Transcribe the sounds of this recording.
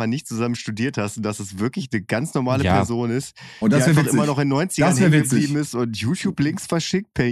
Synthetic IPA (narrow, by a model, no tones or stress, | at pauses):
anɪçtt͡suzamənʃtudiːɐthastʊnd̥asasv̥ɪɐklɪç̬nəɡant͡snɔɐmaːləppːʰɛɐzoːnɪstːafaχʔɪmɐnɔχɪnːɔʏnt͡sɪɐɐnːɪɐɡəbliːbm̩ɪstʊntjuːtʰjuːplɪŋksfɛɐʃɪk̚t̚pʰɛ